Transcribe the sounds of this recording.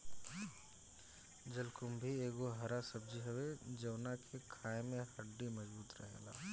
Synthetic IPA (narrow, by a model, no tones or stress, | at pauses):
d͡ʒɐlkʊmbʱieːɡoɦɐɾasɐb̚d͡ʒiɦɛwed͡ʒɐwnakʰekʰaːẽmẽhɐɖːimɐzbuːt̪ɾɐ̰ɦḛla̰ː